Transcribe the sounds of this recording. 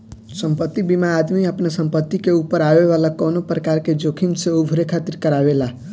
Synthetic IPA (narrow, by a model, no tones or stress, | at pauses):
səmpət̪ːibimaːd̪miəpnasəmpət̪ːikeupəɾabeβalakɔnopɾəkaɾked͡ʒokʰinseubʱuɾekʰat̪iɾkəɾabela